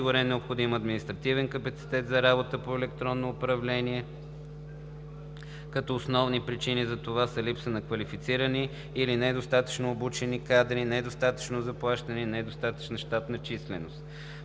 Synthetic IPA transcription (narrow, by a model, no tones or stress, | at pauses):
ɡʊɾɛnnɛopxod̪imɐd̪minist̪ɾɐt̪ivɛnkəpət̪si̥t̪ɛt̪zɐɾabot̪əpoɛlɛkt̪ɾɔnːoːpɾɐvlɛniɛ | kɐt̪ɔːsnɔvnipɾit͡ʃinizɐt̪ovasəlipsənɐkvɐlifit̪siɾəniː | linɛd̪ost̪at̪ə̥t͡ʃnoːbut͡ʃɛnikad̪ɾinɛd̪ost̪at̪ə̥t͡ʃnozɐplˠaʃt̪ənɛnɛd̪ost̪at̪ə̥t͡ʃnəʃt̪at̪nɐt͡ʃislɛnost̪